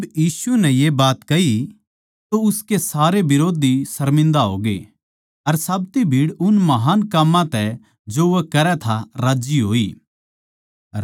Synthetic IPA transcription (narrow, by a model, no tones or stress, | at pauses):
bjiːsʊɛnɛjebaːt̪kɐɦi | t̪oʊskesaːɾebɪɾoːd̪ʱisɐɾmɪ̃nd̪aɦo̰ːɡḛ | ɐɾsɐbt̪ibʱiːɽʊnmɐɦaːnkaːmːãt̪ɛ | d͡ʒoʋokɐɾɛt̪ʰaɾaːd͡ʒiɦoːiː